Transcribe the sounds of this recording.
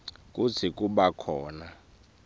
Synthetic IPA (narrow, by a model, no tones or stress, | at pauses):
kʼut͡sʰik̬ʼuɓakʰɔːna